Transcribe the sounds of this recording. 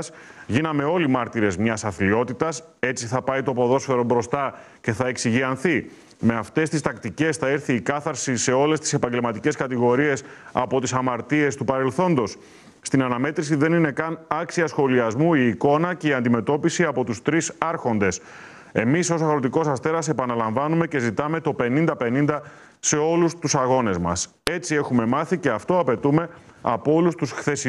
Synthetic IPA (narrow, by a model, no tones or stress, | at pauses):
s | ʝinɐme̞o̞limɐɾt̪iɾe̞zmɲɐsɐθlio̞t̪it̪ɐs | e̞t͡siθɐpɐjt̪o̞po̞ðo̞sfe̞ɾo̞bɾo̞st̪ɐ | ce̞θɐe̞ksiʝiɐnθi | me̞ɐft̪e̞st̪ist̪ɐkt̪ice̞sθɐeɾθiːkɐθɐɾsise̞o̞le̞st̪i̥se̞pɐɲɟe̞lmɐt̪ice̞skɐt̪iɣo̞ɾie̞sɐ̰po̞t̪isɐmɐɾt̪ie̞st̪upɐɾe̞lθo̞nd̪o̞s | st̪inɐnɐme̞t̪ɾisiðe̞nine̞kɐnɐksiɐsxo̞liɐzmuiːko̞nɐce̞iɐnd̪ime̞t̪o̞pisiɐpo̞t̪ust̪ɾisɐɾxo̞nd̪e̞s | e̞miso̞s̬ɐɣɾo̞t̪iko̞sɐst̪e̞ɾɐse̞pɐnɐlɐɱvɐnume̞ce̞zit̪ɐme̞t̪o̞pe̞nind̪ɐpe̞nind̪ɐ | se̞o̞lust̪usɐɣo̞ne̞zmɐ̰s | e̞t͡sie̞xume̞mɐθice̞ɐft̪o̞ɐpe̞t̪ume̞ | ɐ̰po̞lust̪usxθe̞s